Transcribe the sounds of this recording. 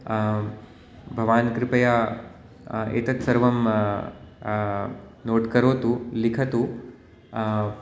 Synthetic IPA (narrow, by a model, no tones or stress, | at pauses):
bʱɐʋaːnkɾipɐja | ḛt̪ɐt̪sɐɾʋɐm | noːʈkɐɾoːt̪ulikʰɐt̪u